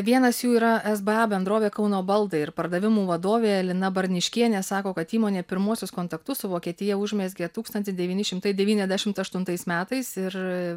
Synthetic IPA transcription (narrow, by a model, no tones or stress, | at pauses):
ʋʲiɛnɐsjuːiːɾɐʔɛzbɛɑːbʲɛnd̪ɾoːʋʲeːkɐʊnoːbɐlˠd̪ɐɪɪɾpɐɾd̪ɐʋʲɪmuːʋɐd̪oːʋʲeːɛlʲɪnɐbɐɾʲnʲɪʃʲkʲiɛnʲesɑːkoːkɐt̪iːmoːnʲeːpʲɪɾmuɔsʲʊskoːnt̪ɐkt̪ʊssʊʋoːkʲiɛt̪ʲɪjɛʊʒʲmʲeːsʲɡʲɛt̪uːkst̪ɐnt̪ʲɪsd̪ʲɛʋʲiːnʲɪʃʲɪmt̪ɐɪdʲɛʋʲiːnʲɛzʲd̪ʲæʃʲɪmt̪ɐʃt̪ʊnt̪ɐɪsmʲæːt̪ɐɪsɪɾ